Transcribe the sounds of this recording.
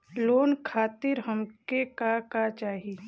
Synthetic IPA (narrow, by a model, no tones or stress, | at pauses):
loːnkʰaːt̪ɪɾɦəmkekakat͡ʃaːɦi